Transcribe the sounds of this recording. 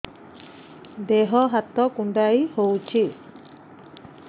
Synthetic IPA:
d̪eɦɔɦat̪ɔkuɳɖajhowt͡ʃʰi

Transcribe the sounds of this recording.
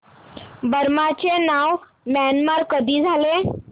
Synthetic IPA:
bəɾmat͡ʃenaʋ | mɛnmaɾkəd̪id͡zʱale

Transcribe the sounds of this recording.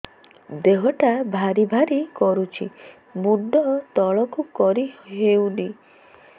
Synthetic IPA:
d̪eɦɔʈabʱaɾibʱaɾikɔɾut͡ʃʰḭ | muɖʱɔt̪ɔɭɔkukɔɾiɦeuwni

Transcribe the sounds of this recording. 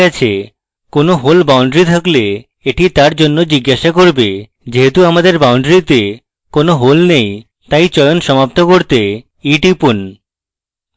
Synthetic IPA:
at͡ɕʰe | konoɦolbawɳɖɾit̪ʰakle | eʈit̪aɾd͡ʑonːod͡ʑiɡːaʃakoɾbe | d͡ʑeɦet̪uamad̪eɾbawɳɖɾit̪e | konoɦolnej | t̪ajt͡ɕɔjonʃɔmap̚t̪okoɾt̪e | iʈipun

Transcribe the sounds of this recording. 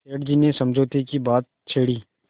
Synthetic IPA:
eːʈd͡ʒinesɐ̃md͡ʒʱoːt̪ekibaːt̪̚t͡ʃʰeːɽiː

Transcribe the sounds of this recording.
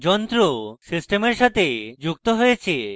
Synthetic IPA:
d͡ʒɔnt̪ɾosisʈemeɾʃat̪ed͡ʑuk̚t̪oɦojet͡ɕʰe

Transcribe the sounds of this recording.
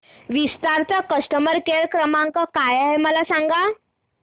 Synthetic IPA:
ʋist̪aɾt͡sakəsʈəməɾkeɾkɾəmaŋkakajaɦeməlasaŋɡa

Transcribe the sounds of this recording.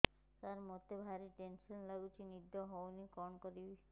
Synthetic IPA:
t̪aɾmot̪ebʱaɾiʈensɔnlaɡut͡ʃʰinid̪ʱɔɦownikɔnkɔɾibe

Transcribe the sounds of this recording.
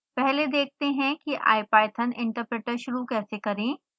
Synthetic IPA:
pɛɦled̪eːk̚t̪eɦɛ̃kiʔa̰ːjpaːjət̪ʰənɪ̃ɳʈəɾpɾeːʈəɾʃʊɾukɛːsekɐɾẽː

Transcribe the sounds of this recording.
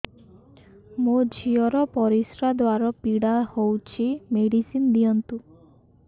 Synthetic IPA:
mod͡ʒʱiɔɾɔpɔɾisɾad̪waɾɔpiɽahowt͡ʃʰimeɽisind̪iɔnt̪u

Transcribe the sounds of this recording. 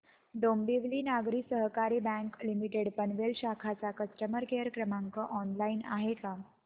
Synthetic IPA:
ɖombiʋliːnaɡɾiːsəɦkaɾiːbɛ̃ŋklimiʈeɽpənʋelɕakʰat͡sakəsʈəməɾkeɾkɾəmaŋkəʔɔnlaina̰ɦeka

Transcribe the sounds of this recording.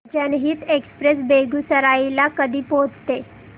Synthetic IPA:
t͡ɕjanɦiːt̪ekspɾes̬beɡusəɾailakəd̪ʱiːpod͡zt̪e

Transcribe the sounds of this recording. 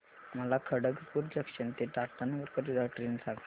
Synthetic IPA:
məlakʰəɽəɡpuɾd͡ʑəkɕənt̪eʈaɾt̪anəɡəɾkəɾid̪aʈɾensakʰ

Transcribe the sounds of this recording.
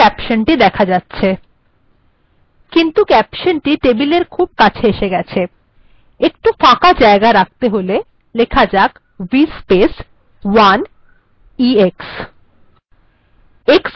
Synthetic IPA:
ɛpʃonʈid̪ɛkʰad͡ʑatːɕʰe | kint̪ukɛpʃonʈiʈebileɾkʰub̚kat͡ɕʰeeʃeɡɛt͡ɕʰe | ekʈufakad͡ʑaeɡaɾak̚t̪eɦole | lekʰad͡ʑak | wispes | wan | ieks | eks

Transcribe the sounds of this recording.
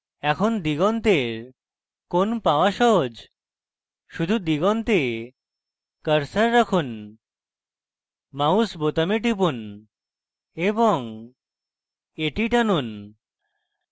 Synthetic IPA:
ɛkʰond̪iɡɔnt̪eɾ | konpaoaʃɔɦod͡ʑ | ʃud̪ʱud̪iɡɔnt̪e | kəɾsaɾːakʰun | mausbot̪ameʈip̬un | eboŋ | eʈiʈanun

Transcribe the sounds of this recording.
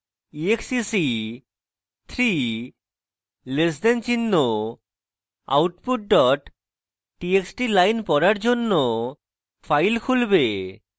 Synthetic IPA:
ieksisi | t̪ʰɾi | lesd̪ent͡ɕinːo | a̰wʈpuʈ̚ɖɔʈː | ieksʈilajnpɔɾaɾd͡ʑonːo | fʰajlkʰulbe

